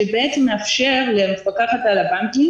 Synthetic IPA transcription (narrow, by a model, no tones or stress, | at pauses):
ebeet͡semeafʃeʁlemefakaχat̪alabaŋkiŋ